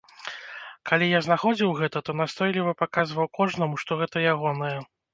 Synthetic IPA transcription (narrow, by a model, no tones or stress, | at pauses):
kalʲijaznaxɔd͡zʲiwɣɛt̪ɐt̪ɔnast̪ɔjlʲivɐpakazvɐwkɔʐnɐmuʂt̪ɔɣɛt̪ɐjaɣɔnɐjɛ